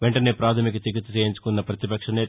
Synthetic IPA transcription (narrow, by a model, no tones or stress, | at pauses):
ʋeɳʈɐneːpɾaːt̪ʰɐmikɐt͡ʃ̪ikːit̪ɐt͡ʃeːjiɲt͡ʃu̥kunːɐpɾɐt̪ipɐkʂɐneː